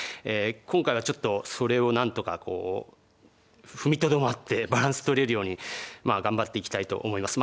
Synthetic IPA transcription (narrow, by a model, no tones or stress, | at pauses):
eːkõŋkaiβat͡ɕo̞t̪ːo̞so̞ɾe̞o̞nãnt̪o̞kakʰo̞̰ː | ɸɯ̟mʲit̪o̞d̪o̞mat̪ːe̞baɾãɰ̃sɨ̥t̪o̞ɾe̞ɾɯ̟jo̞ːɲ̟imaɡãmbat̪ːe̞ikʲi̥t̪ait̪o̞̰ʔːmo̞imasɨm